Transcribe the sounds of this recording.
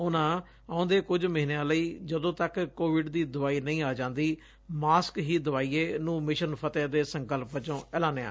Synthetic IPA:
ʊnãː | aːʊ̃ːnd̪eːkʊd͡ʒməɦɪnãːləiːd͡ʒəd̪õːt̪əkkoːʋɪɖd̪iːd̪ʊʋaːiːnəĩːaːd͡ʒãːnd̪iː | maːskɦiːd̪ʊʋaːiːeːnũːmɪʃənpʰət̪ẽːd̪eːsəŋkəlpːət͡ʃõːɛːlãːneːa̰ː

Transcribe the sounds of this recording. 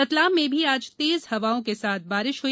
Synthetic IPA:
ɐt̪laːmːẽbʱiaːd͡ʒt̪eːzhɐʋaːõkesaːt̪̚ʰbaːɾɪʃɦʊ

